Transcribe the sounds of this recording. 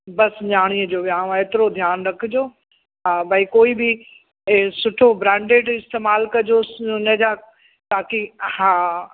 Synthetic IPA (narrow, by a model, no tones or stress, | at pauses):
bɐsɲaːɽ̃iːəd͡ʑoːʋjaːɽ̃õaeːt̪ɪɾod̪ʱjaːnɾɐkʰɪd͡ʑoː | ɦãːbɐikoːibɪ | sʊʈʰobɾɛ̃ːɳɖeːɖɪst̪eːmaːlkɐd͡ʑonɐ̃ɦd͡ʑaː | t̪aːkihãː